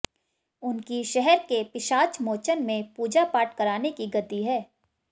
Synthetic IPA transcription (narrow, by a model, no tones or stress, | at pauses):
ʊnkiʃɛɦɛɾkepɪʃaːt͡ʃmoːt͡ʃənmẽpuːd͡ʒapaːʈkɐɾaːnekiɡɐt̪iɦɛː